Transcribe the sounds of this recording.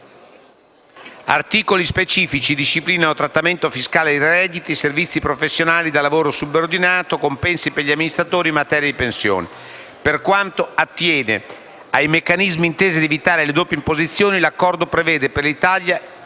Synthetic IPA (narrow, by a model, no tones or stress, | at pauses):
a̰rt̪iːkolispet͡ʃiːfit͡ʃid̪iʃːipliːnanot̪ɾat̪ːament̪ofiskaːled̪irɛd̪it̪iservit̪sːipɾofesːjonaːlid̪alːavoːɾosubːord̪inaːt̪okompɛnsipeʎiamːinist̪ɾat̪oːɾimːat̪ɛːɾjad̪ipensjo̰ːne | perkwant̪oat̪ːjɛːnḛ | ajmekːanizmiːnt̪eːzid̪ievit̪aːɾeled̪oːpjeimpozit̪sːjoːnilakːɔrd̪opɾevɛːd̪eperlit̪alja